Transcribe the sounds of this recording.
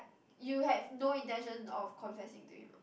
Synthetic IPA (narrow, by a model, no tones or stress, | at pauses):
juhɛvnoĩntɛ̃nʃə̃nɔfkʰɔ̃nfɛsɪ̃ŋtṵjṵ